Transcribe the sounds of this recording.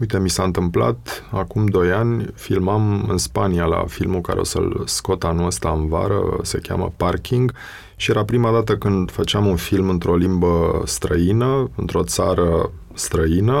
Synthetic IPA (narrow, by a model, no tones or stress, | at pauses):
ujt̪e̞misaɨnt̪ɨmpla̰t̪akumd̪o̞janʲfilmamɨ̰nspaniala̰filmuka̰ɾeo̞̰sḛlsko̞t̪anuəst̪aɨnva̰ɾə̰se̞kʲa̰mə̰parkʲiŋɡ | ʃijeɾapɾimad̪at̪əkɨnd̪fət͡ʃeamunfilmɨnt̪ɾo̞limbəst̪ɾəinəɨnt̪ɾo̞t̪saɾə | st̪ɾəinə